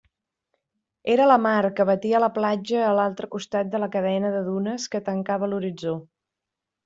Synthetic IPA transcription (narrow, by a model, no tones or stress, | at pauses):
eɾələmaɾkəβət̪iələplad͡ʒəːlalˠt̪ɾəkust̪at̪̚d̪ələkəðɛnəðəðunəskət̪əŋkaβəluɾid͡zo